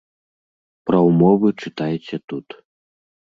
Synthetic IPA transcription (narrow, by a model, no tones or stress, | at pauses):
pɾɐwmɔvɨt͡ʂɨt̪ajɛt͡sʲɛt̪ut̪